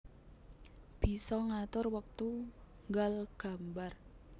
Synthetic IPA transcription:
b̥i̤sɔŋat̪ʊrwək̚t̪u | ŋɡalɡ̥a̤mbar

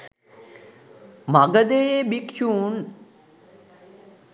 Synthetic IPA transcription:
maɡəd̪ejebikʃun

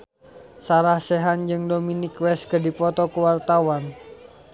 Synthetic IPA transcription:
saɾahsɛɦand͡ʒɨŋdominikwɛskədipɔt̪ɔkəwart̪awan

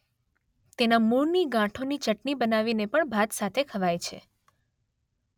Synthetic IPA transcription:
t̪enamuɾniɡãʈʰonit͡ʃəʈnibənaʋinepəɳbʱat̪sat̪ʰekʰəʋajt͡ʃʰḛ

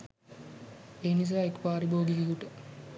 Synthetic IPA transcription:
eːnis̬aːekːpaːɾiboːɡikikuʈə

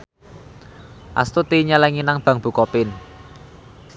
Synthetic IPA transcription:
ʔa̰st̪ut̪iɲalɛŋinaŋb̥ä̤ŋb̥ṳkɔpɪn

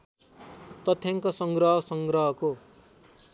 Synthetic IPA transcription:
t̪ʌt̪ʰjaŋkosʌŋɡrʌɦʌsʌŋɡrʌɦʌko

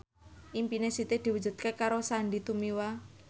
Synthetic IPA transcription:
ʔimpinesit̪ed̪̥iwud͡ʒṳd̪̥̚kekaɾosaɳɖit̪umiwa

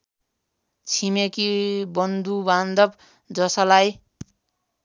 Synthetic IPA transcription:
t͡sʰimekibʌnd̪uband̪ʌb | d͡zʌsʌlaj

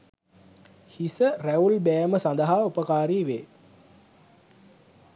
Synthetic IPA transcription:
hisəræulbæjəməsand̪əɦaːupəkaːɾiːʋeː

